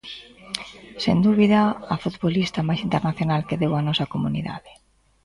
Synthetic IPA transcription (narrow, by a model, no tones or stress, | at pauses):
sḛnd̪uβiðaːfut̪βolist̪ɐmajsint̪eɾnaθjonalkeðewanɔsɐkomunḭða̰ðɪ